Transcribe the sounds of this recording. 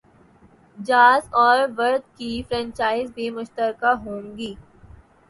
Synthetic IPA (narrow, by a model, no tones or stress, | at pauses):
d͡ʒaːzɔːɾʋɐɾd̪̚kifɾɛ̃ːɲt͡ʃaːɪzbʱimʊʃt̪əɾkaɦoːŋɡiː